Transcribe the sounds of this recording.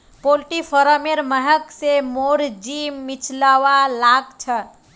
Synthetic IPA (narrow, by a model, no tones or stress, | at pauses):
polʈipʰəɾəmeɾməɦəksemoɾd͡ʒimːit͡ʃʰlaʋalaɡt͡ʃʰə